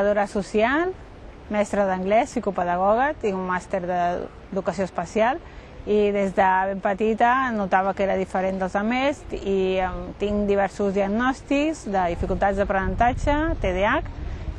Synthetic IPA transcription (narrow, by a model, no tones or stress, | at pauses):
ðoɾəsusial | mɛst̪ɾəðəŋɡlɛsikupəðəɣɔɣət̪iŋumːast̪eɾðə̰ | ðukəsioəspəsialˠ | iðezðəβempət̪it̪ənut̪aβəkeɾəðifəɾend̪əlˠzəmesit̪iŋd̪iβ̞ɛɾsuzðiəɡnɔst̪ikzðəðifikulˠt̪ad͡zzðəpɾənənt̪ad͡ʒət̪eðeak